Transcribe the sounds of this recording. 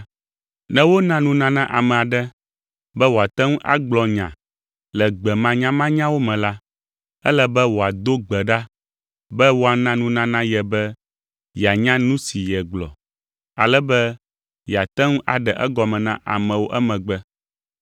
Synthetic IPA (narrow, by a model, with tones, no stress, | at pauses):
nɛ̃˦wo˦nã˦nũ˦nã˦nã˦ʔa˨mɛ̃˨a˨ɖɛ˦ | bɛ˦wo˨a˨t̪ɛ˦ŋũ˦ʔa̰˦ɡ͡blɔ˨ɲã̰˨ | lɛ˨ɡ͡bɛ˨mã˦ɲã˦mã˦ɲã˦wo˦mɛ̃˨la˦ | ɛ̰˦lɛ˦bɛ˦wo˨a˨d̪o˦ɡ͡bɛ˨ɖa˦ | bɛ˦wo˦a˨nã˦nũ˦nã˦nã˦jɛ˨bɛ˦ | jɛ˨a˨ɲã˦nũ˦si˨jɛ˨ɡ͡blɔ̰˨ | a˨lɛ˦bɛ˦ | jɛ˨a˨t̪ɛ˦ŋũ˦ʔa˨ɖɛ˨ʔɛ˦ɡɔ˨mɛ̃˨nã̰˦ʔa̰˨mɛ̃˨wo˦ʔɛ˦mɛ̃˨ɡ͡bɛ˦